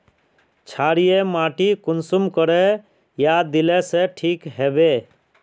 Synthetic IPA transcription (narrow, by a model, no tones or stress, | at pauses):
t͡ʃʰaːɽijemaːʈikʊnsumkəɾɛ | jad̪ilɛseʈʰiːkɦeːbe